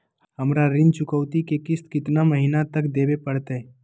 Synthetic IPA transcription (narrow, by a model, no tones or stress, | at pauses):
ɦəmɾaɾɪnt͡ʃʊkəʋt̪ikekɪskɪt̪naməɦiːnat̪əkd̪eːbepəɽt̪ee